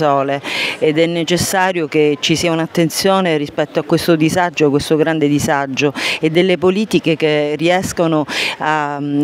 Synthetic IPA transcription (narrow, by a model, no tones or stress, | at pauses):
ɔːleːd̪ɛnːet͡ʃesːaːɾjoket͡ʃːisiːaunat̪ːent̪sjɔːnerispɛt̪ːoakːwest̪od̪izad͡ʒːokːwest̪oɡɾand̪ed̪izad͡ʒːoed̪ːelːepoliːt̪ikek̟eriɛskonoa